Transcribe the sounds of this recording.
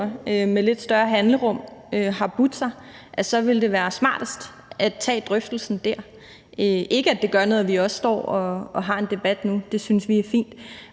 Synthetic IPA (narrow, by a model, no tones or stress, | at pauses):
ømele̝d̥sd̥ɶɐɦænləʁɔ̽m̰øɦɑ̈b̥ud̥sɑ | ʔæsɒ̽ʋe̝ld̥e̝ʋæːɐsmɑ̰̈ːd̥əsd̥ | ʔæt͡sʰɛ̰ːd̥ʁœfd̥l̩sn̩d̥æɐ̰ | øʔe̝ɡ̥əæd̥e̝ɡ̥ɶɐnɔ̽ːð̩ˠʋiɒ̽sːd̥ɒ̰ːɒ̽ːɦɑ̈e̝nd̥e̝b̥æd̥nud̥e̝synsʋiæɐfḭːnd̥